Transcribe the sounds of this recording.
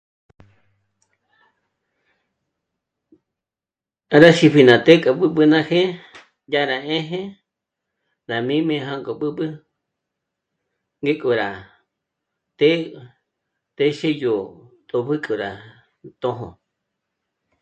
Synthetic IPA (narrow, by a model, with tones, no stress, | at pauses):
ɾa˦ʃi˧pʰi˨nã˨t̪e˦kʼa˨ɓɨ˦ɓɨ˧nã˦xe˦ | ja˦ɾa˨ẽ˦ɦẽ˦ | ɾa˨mĩ˦mẽ˧ɦa˦ŋɡʼo˨ɓɨ˦ɓɨ˦ | ŋɡe˦kʼo˨ɾa˨ | t̪e˦ | t̪e˦ʃe˦jo˨t̪ʼo˨pʰɨ˦kʼo˨ɾa̰˨ | t̪õ˧˦ɦõ̰˨